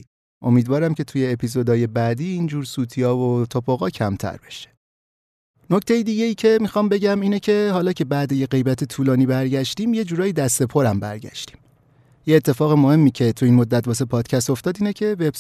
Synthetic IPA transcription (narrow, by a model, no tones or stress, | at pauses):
ʔo̞̰miːd̪vɒːɾæmcʰe̞t̪ʰuje̞ːpʰizod̪ɒːje̞bæːd̪iːind͡ʒuːɾsuːt̪ʰiɒːvot̪ʰopʰoɣɒːcʰæmt̪ʰæ̰ɾbeʃe | no̞ct̪ʰe̞jid̪iːɟe̞jiːcʰe̞mixɒːmbe̞ɟæmiːnecʰe̞ɦɒːlɒːcʰe̞bæːd̪ejeɢe̞jbæt̪ʰe̞t̪ʰuːlɒːniːbæɾɟæʃt̪iːmje̞d͡ʒuːɾɒːjid̪æst̪e̞pʰo̞ɾæmbæ̰ɾɟæ̰ʃt̪i̥ːm | jeːt̪ʰːefɒːɣemo̞he̞mːiːcʰe̞t̪ʰuiːnmo̞d̪ːæt̪̚bɒːs̬epʰɒːd̪̥cʰæst̪o̞ft̪ɒːd̪iːnecʰe̞veb